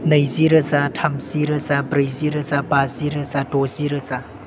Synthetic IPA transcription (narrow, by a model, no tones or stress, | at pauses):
nəjziɾəzatʰamziɾəzabɾəjziɾəzabaziɾəzadɔziɾəza